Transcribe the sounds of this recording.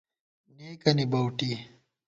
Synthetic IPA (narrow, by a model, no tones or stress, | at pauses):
neːkɐnibɐwʈi